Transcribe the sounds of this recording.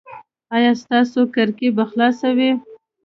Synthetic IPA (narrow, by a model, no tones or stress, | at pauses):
ɑjɑst̪ɑsokaɾkebaxlɑsawe